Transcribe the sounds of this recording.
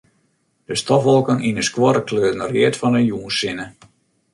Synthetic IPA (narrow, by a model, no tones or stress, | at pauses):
d̥əstɔfʋɔlˠkəninəskwɔɾəkʰløːtnərjɪətfɔnənjuːənsɪnə